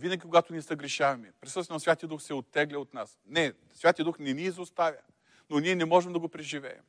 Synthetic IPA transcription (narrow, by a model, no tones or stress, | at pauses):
vinəɡʲikoɡat̪ʊniɛsɐɡɾɛʃavɐmɛpɾʲisɤst̪vɛnɐsvʲat̪ijəd̪uxsɛot̪ːɛɡlʲɛot̪nasnɛ | svʲat̪ijəd̪uxnɛniːzost̪avʲjə̰ | noniɛnɛmɔʒɛmd̪ɐɡopɾɛʒivɛ̰ɛ̰m